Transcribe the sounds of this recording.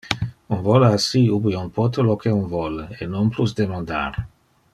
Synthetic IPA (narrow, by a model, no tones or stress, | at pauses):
unvɔlasiubiunpʰɔt̪əlokeunvɔlenonplusd̪emãnd̪a̰ɾ